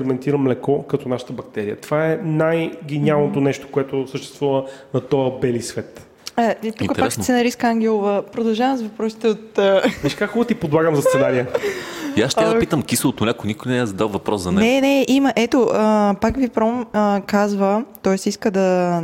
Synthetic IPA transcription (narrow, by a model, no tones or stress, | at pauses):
ɾɛmɛnt̪iɾəmlɛkɔkɐt̪ɔnaʃə̥t̪əbɐk̚t̪ɛɾijət̪ov̥aɛnajɡɛnialˠnot̪onɛʃt̪o̥koɛt̪osəʃt̪ɛ̥st̪vuvənɐt̪ɔəbɛlisvɛt̪ | it̪uk̪ɾpakssɛnɐɾiskaŋɡʲɛlˠʊvəpɾod̪ɐlˠʒavəmzvɐpɾɔsi̥t̪ɛot̪əviʃkakxubət̪ipod̪lˠaɡəmzɐst̪sɛnaɾiəiasʃt̪apit̪əmkislˠot̪onʲakonikʊjnɛɛzɐd̪alvɐpɾɔszɐnɛnɛnɛʔimɐʔɛt̪oʔəpakvipɾɔməkazvət̪ɔɛsiskəd̪ɐ